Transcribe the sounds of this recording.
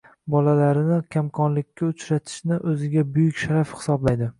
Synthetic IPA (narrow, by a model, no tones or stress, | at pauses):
bɒlalaɾɪnɪkʲʰamkʰɒnlɪkʲʰːaʊt͡ʃɾat̪ʰɪ̥ʃnɪʔɵzɪɡʲabʊjʊkʲʃaɾafhɪ̥sɒblajd̪ɪ